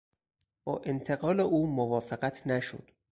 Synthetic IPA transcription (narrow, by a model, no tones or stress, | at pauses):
b̥ɒːʔent̪ʰeɣɒːleʔuːmovɒːfeɢæt̪ʰnæʃo̰d̪̥